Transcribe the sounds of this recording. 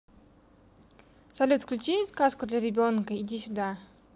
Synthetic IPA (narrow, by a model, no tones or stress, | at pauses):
sɐlʲut̪fklʲʊt͡ɕiskaskʊd̪lʲaɾʲɪbʲonkəidʲisʲʊd̪a